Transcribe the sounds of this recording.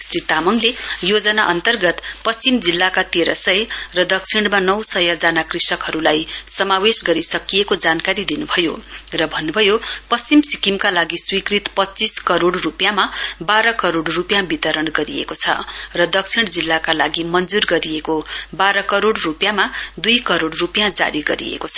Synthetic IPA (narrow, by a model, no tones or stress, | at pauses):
srit̪amʌŋlejod͡zʌnaʔʌnt̪ʌrɡʌt̪pʌst͡simd͡zilːakat̪eɾʌ̰sʌjrʌd̪ʌkt͡sʰiɳɽ̃ɖmanʌwsʌjʌd͡zanakrisʌkɦʌɾulajsʌmawesɡʌɾisʌkijekod͡zankaɾid̪inubʱʌjorʌbʱʌnːubʱʌjopʌst͡simsikimkalaɡiswikrit̪pʌt͡siskʌɾoɽrupjamabaɾʌkʌɾoɽrupjãbit̪ʌɾʌɽɡʌɾiḛkot͡sʰʌ̰rʌd̪ʌk̚t͡sʰiɽ̃d͡zilːakala̰ɡimʌnd͡zurɡʌɾijekobaɾʌkʌɾoɽrupjãmad̪ujkʌɾoɽrupjãd͡za̰ɾiɡʌɾḭḛkot͡sʰʌ